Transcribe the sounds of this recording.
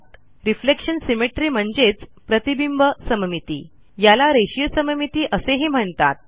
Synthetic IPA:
ɾiflekʂənsimeʈɾiːm̤əɳd͡zet͡spɾət̪ibimbəsəməmit̪ḭː | jalaɾeɕijəsəməmit̪iːʔəseɦiːm̤əɳt̪at̪̚

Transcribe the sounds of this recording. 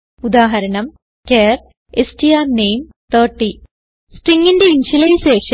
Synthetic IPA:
ud̪aːɦɐɾɐɳɐm | keːr | esʈijaːnejm | t̪ʰɐrʈːi | sʈriŋːindeinɕilɐjɕeːʂɐ

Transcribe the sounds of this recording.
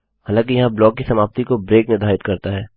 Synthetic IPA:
ɦaːlãːk̬ijɐɦãblɔːk̚ːisɐmaːb̚t̪ikobɾeːknɪɾd̪ʱaːɪt̪kɐɾt̪aɦɛː

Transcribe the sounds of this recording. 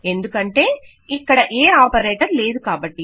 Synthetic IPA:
e̞nd̪ukɐɳʈe̞ː | ikːɐɽɐʔeːaːpɐɾeːʈɐɾle̞ːd̪ukaːbɐʈːi

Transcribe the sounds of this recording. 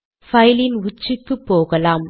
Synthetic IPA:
fɐjɪlɪnʊt͡ʃːɯkːɯpːoːɣɐlaːm

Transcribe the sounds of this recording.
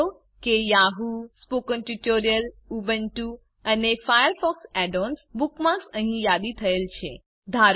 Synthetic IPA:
o | kejaɦuspokənʈuʈoɾijəlubənʈu | ənefajəɾfɔksɛɖonsbukmãsəɦĩjad̪it̪ʰəelt͡ʃʰe | d̪ʱaɾ

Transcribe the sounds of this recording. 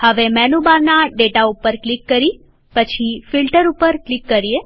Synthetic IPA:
həʋemɛnubaɾnaɖeʈaupəɾklikːəɾi | pət͡ʃʰifilʈəɾupəɾklikːəɾie

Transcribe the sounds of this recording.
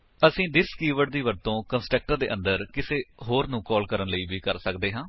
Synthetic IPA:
əsĩːd̪ɪskiːʋəɖ̚d̪iːʋəɾt̪õːkənsʈɾək̚ʈəɾd̪ḛːʔə̃nd̪əɾkɪseːɦoːɾnũːkɔːlkəɾənləiːʋiːkəɾsəkd̪eːɦãː

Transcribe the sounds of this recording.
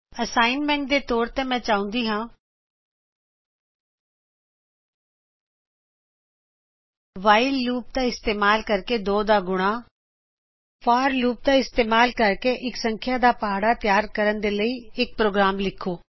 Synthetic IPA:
əsaːɪnmɛ̃ːɳʈ̚d̪eːt̪ɔːɾt̪emɛ̃ːt͡ʃaːʊ̃nd̪iːɦãː | ʋaːɪlːuːp̚t̪aɪst̪eːmaːlkəɾked̪oːd̪aːɡʊɽ̃aː | faːɾluːp̚t̪aɪst̪eːmaːlkəɾkeʔɪksə̃ŋkʰjaːd̪aːpaɦaːɽat̪jaːɾkəɾənd̪eːləiːɪk̚pɾoːɡɾaːmlɪkʰːoː

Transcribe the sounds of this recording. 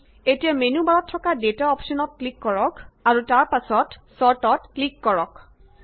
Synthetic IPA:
etijamenubaɹɔtʰːɔkadetaɔpsɔnɔt̚klikːɔɹɔkaɹutaɹpasɔtsɔɹtɔtklikːɔɹɔk

